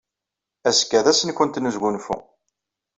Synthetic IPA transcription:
æskːæðæsənkənt̪nəzɡʷunfṵ

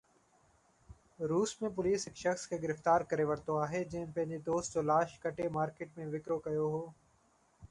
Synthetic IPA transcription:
ɾuːsmẽp̬ʊliːsɦɪkʃəxskʰeːɡɪɾɪft̪aːɾkəɾeʋɐɾt̪oaːɦed͡ʑɪɦnpɐ̃ɦɪ̃ɲd͡ʑed̪oːst̪̚d͡ʑoːlaːʃkɐʈemaːɾkeːʈ̚mẽʋɪkɾokɐjoɦoː

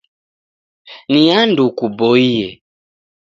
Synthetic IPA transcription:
niandukubɔiɛ

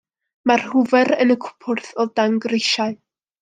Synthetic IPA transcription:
marhʊvɛɾənəkʰʊ̥pʰʊrθɔdaŋɡrejʃaɨ

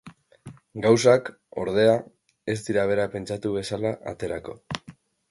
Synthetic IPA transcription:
ɡawsak | o̞̰ɾðe̞a | e̞st̪iɾaβ̞e̞ɾape̞nt͡ʃat̪uβ̞e̞salaʔa̰t̪e̞ɾako̞̰

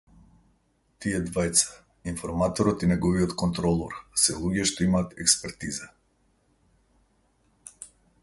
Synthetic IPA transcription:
t̪ijɛd̪vajt̪sḁ | infɔɾmat̪ɔɾɔt̪inɛɡɔviɔt̪kɔnt̪ɾɔlˠɔɾsɛlˠuɡɛʃt̪ɔimaːt̪ɛkspɛɾt̪iza

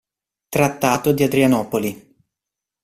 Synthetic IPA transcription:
t̪ɾat̪ːaːt̪od̪iad̪ɾianɔːpoli

